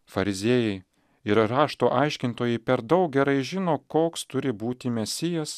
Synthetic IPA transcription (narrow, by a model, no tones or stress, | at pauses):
fɐɾʲɪzʲeːjɛɪ | ɪɾɾɑːʃt̪oːʔɐɪʃʲkʲɪnt̪oːjɛɪpʲɛɾd̪ɒʊk̚ɡʲɛɾɐɪʒʲɪnoːkoːkst̪ʊɾʲɪbuːt̪ʲɪmʲɛsʲɪjɛs